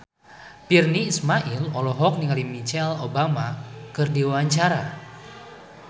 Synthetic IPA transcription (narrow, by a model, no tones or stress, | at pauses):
pirniːsmaʔilɔlɔɦɔk̚niŋalimit͡ʃɛlobamakɨrdiwaaɲt͡ʃaɾa